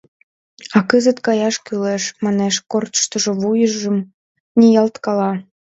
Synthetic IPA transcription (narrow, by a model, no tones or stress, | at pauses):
ɑkəzə̆t̪kɑjɑʃkyleʃmɑneʃkort̪ə̥ʃt̪ə̆ʒŏβujəʒə̆m | nijɑlt̪kɑlɑ